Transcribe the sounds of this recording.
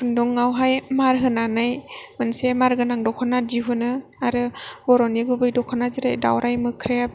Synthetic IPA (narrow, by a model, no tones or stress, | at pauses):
kundɔŋːawɦajmaɾɦɯnanɯjmɯnsemaɾɡɯnaŋdɔkʰɔnadiɦɯnɯ | aɾɯbɔɾɔniɡubɯjdɔkʰɔnazɯɾajda̰wɾajmɯkʰɾe